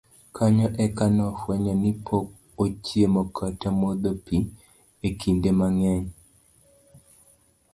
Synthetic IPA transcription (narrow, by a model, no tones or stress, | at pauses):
kʰaɲɔʔɛkanɔhwɛɲanipʰok̚ | ot͡ʃjemokʰatamod̪opi | ekʰindemaŋɛɲ